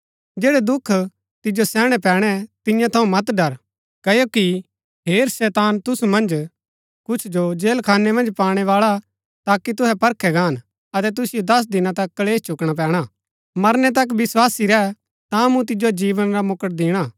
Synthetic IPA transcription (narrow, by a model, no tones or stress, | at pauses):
d͡ʒeːɽɛd̪ʊkʰː | t̪ɪd͡ʒosɛːɽ̃ɛpɛːɽ̃ɛt̪ɪ̃jãt̪ʰɐũmɐt̪ɖɐɾ | kɐjoki | ɦeːɾsɛːt̪aːnt̪ʊsumɐ̃nd͡ʒ | kʊt͡ʃʰd͡ʒod͡ʒeːlkʰaːnːɛmɐ̃nd͡ʒpaːɽ̃ɛʋaːɭa | t̪aːkit̪̬ʊɦɛpɐɾkʰɛɡaːn | ɐt̪ɛt̪ʊsɪjod̪ɐs̬d̪ɪnãt̪ɐkːɐleːst͡ʃʊkɽ̃ap̬ɛ̃ːɽ̃aː | mɐɾnɛt̪̬ɐk̬ʋɪswaːsiɾɛ | t̪ãmũt̪̬ɪd͡ʒod͡ʒiːʋənɾamʊkəʈ̚d̪ɪɽ̃aː